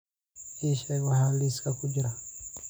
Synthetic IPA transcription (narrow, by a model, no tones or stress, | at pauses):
iʃawahaliskakud͡ʒiɾa